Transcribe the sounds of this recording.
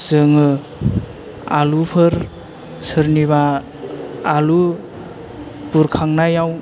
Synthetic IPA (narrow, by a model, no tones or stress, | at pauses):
z̥ɯŋɯ | alupʰɯɾ | sɯɾniβaː | lu | puɾkʰaŋnajaw